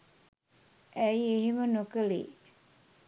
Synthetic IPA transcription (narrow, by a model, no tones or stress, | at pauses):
ʔæjeɦimənokəlḭ